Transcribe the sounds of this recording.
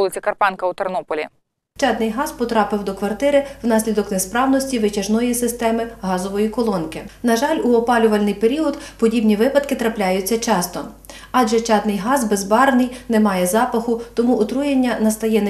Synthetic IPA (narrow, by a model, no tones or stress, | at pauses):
lˠɪt͡sʲikɐrpɑnkɐut̪ernɔpɔlʲḭ | t͡ʃɑd̪nɪjɦɑzpɔt̪ɾɑpɪwd̪ɔkʋɐrt̪ɪɾɪwnɑsʲlʲid̪ɔknespɾɑwnɔsʲtʲiʋɪt͡ʃɐʒnɔjisɪst̪ɛmɪɦɑzɔʋɔjikɔlˠɔnkɪnɐʒɑlʲuɔpɑlʲʊʋɐlʲnɪjpeɾʲiɔd̪pɔdʲibnʲiʋɪpɐd̪kɪt̪ɾɐplʲajʊt͡sʲːɐt͡ʃɑst̪ɔ | ɑʒɛt͡ʃɑd̪nɪjɦɑzbezbɑɾnɪjnɛmɑjɛzɑpɐxʊt̪ɔmuʔːt̪ɾujenʲːɐnɐst̪ɐjɛn